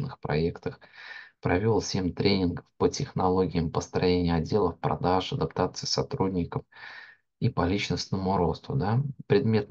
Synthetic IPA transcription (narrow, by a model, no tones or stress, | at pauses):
nɨxpɾɐ̰ekt̪əxpɾɐvʲo̞lˠfsʲemʲt̪ɾʲʔenʲɪnɡəfpətʲɪxnɐlˠo̞ɡʲɪjəmpəst̪ɾɐjenʲɪjəɐdʲːe̞lˠəfpɾɐ̰d̪aʂɐd̪ɐpt̪at̪sɨjəsɐt̪ɾudʲnʲɪkəm | ipɐlʲit͡ɕnəsnəmʊɾo̞st̪ʊd̪apɾʲɪd̪mʲe̞t̪